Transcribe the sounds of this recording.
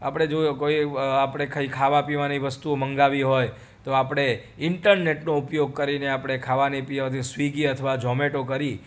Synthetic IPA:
a̰pɽ̃ed͡ʒokoiapɽ̃ekʰəikʰaʋapiʋaniʋəst̪uməŋɡaʋiɦoj | t̪oapɽ̃e | ɪɳʈəɾneʈnoʊpjoɡ̚kəɾineapɽ̃ekʰaʋanipiat̪ʰisʋiɡiət̪ʰəʋad͡ʒɔmeʈokəɾi

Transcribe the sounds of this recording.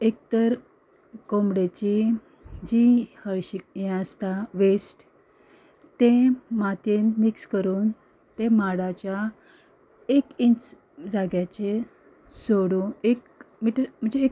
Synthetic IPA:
ek̚t̪əɾ | komɽet͡ɕi | d͡ʑihəɭɕikjast̪aʋesʈ | t̪ẽmat̪enmikskəɾuːn | t̪emaɽat͡ɕja | ekint͡s | d͡zaɡjat͡ɕe | soɽuːnek | miʈəɾm̤əɳd͡zeːk

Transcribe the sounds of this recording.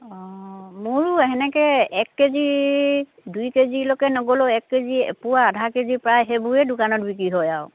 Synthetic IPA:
ɔ̃mʊɹuɛɦɛnɛkɛɛkːezi | dujkezilɔkɛnɔɡɔlɔɛkːezipuwaːdʱakezipɹajɦebuɹɛdʊkanɔtbikɹiɦɔjaw

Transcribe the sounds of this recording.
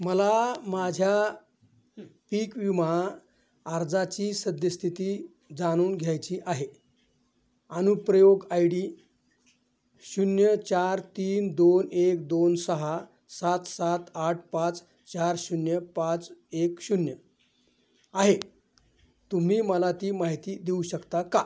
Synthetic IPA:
məlamad͡ʑʱja | piːkʋimaː | ɾd͡zat͡ɕiːsəd̪jəst̪ʰit̪iː | d͡zaɽ̃uːnɡʱjajt͡ɕiːʔaɦe | añupɾəjoɡajɽiː | ɕunjət͡ɕaɾt̪iːnd̪onekd̪onsəɦa | sat̪sat̪aʈ̚ʰpat͡s | t͡ɕaɾɕunjəpat͡sekɕunjə | aɦe | t̪um̤iːməlat̪iːmaɦit̪iːd̪euɕəkt̪aka

